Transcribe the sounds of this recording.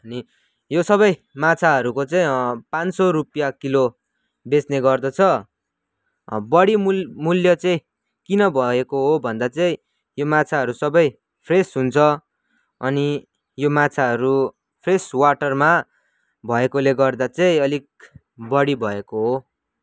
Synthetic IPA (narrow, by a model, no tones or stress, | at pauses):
ʌni | josʌβʌj | mat͡sʰaɦʌɾukot͡sʌĩpansʌɾupjakilo | besneɡʌrd̪ʌt͡sʰʌ | bʌɽimmuljʌt͡sʌĩ | kinʌbʱʌekoɦobʱʌnd̪at͡sʌĩ | jomat͡sʰaɦʌɾusʌbʌj | pʰresɦunt͡sʰʌ | ʌni | jomat͡sʰaɦʌɾu | pʰreswaʈʌrma | bʱʌekoleɡʌrd̪at͡sʌĩʌlik̚ | bʌɽibʱʌekoɦo